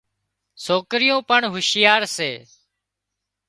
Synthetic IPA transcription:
soːkɾɪjõːpəɳɦʊʃɪjaːɾseː

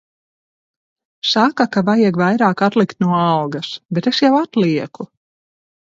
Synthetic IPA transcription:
sakakavajɛɡvajɾaːkat̪lˠikt̪nuɔalɡɐsbet̪esjawat̪lˠiɛku

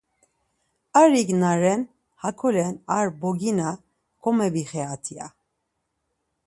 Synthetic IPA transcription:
aɾiɡnaɾɛn | hakʰɔlɛnaɾbɔɡina | kʰɔmɛbiχɛat̪ʰia̰

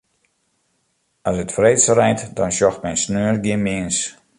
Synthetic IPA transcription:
ɔsətfreːsərɛjntdɔnʃjɔxtmɛjnsnøːrɡɪnmɪəns

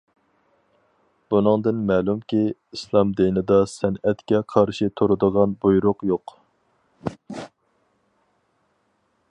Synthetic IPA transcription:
b̥unɨŋd̪ɨnmɛːlˠumkʲʰiislˠɑmd̪ejnɨd̪ɑsɛnɛt̪kʲɛqʰɑɾʃit̪ʰoɾɨd̪əʁɑnbujɾʊqjoq

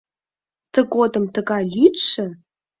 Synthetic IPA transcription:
t̪ʰəɡod̪əmt̪ʰəɡɑlʲitʃə

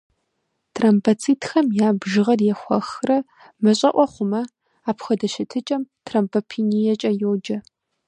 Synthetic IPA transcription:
tʰrɐmpʰɐt͡sʰiːtʰxɐmjaːbʒɨʁɐrjɛxʷɐ̰xrɐ | mɨɕʼɐʔʷɔχʷʊmɐ | aːpxɐdɐʃɪtʰɨt͡ʃʼɐmtʰrɐmpʰɐpʰiːnijɛt͡ʃʼɐjoːd͡ʒɐ

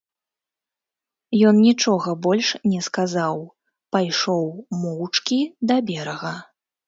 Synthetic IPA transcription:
jɔnnʲit͡ʂɔɣɐbɔlʲʂnʲɛskazaw | pajʂɔwmɔwt͡ʂkʲid̪ɐbʲɛɾɐɣɐ

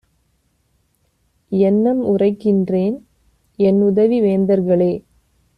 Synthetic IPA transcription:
ɛnːɐmʊrɐɪkːɪndreːn | ɛnʊðɐʋiʋeːnd̪ɐɾɣɐɭeː

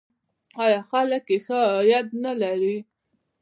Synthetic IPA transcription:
ɑjɑxaləkːexajad̪̚nalaɾi

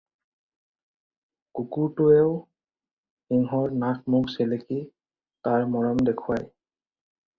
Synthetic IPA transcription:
kukuɹtʊɛʊ | iŋɦɔɹnak̚ʰmukseleki | taɹmɔɹɔmdekʰuaj

